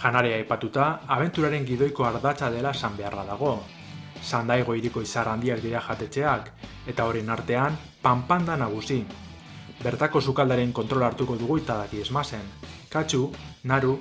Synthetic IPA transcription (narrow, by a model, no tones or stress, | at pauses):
ʝanaɾeaːjpat̪ut̪aːβ̞e̞nt̪uɾaɾe̞ŋɡiðo̞jko̞aɾðat͡saðe̞laesambe̞araðaɣ̞o̞ | sand̪ajɣ̞o̞iɾikoisaɾand̪iakd̪iɾaʝat̪e̞t͡se̞ak | e̞t̪ao̞ɾenaɾt̪e̞am | pampand̪anaɣ̞usi | be̞ɾt̪ako̞sukald̪aɾeŋko̞nt̪ɾo̞laɾt̪uko̞ðuɣ̞uit̪aðakiezmase̞nkat͡ʃunaɾu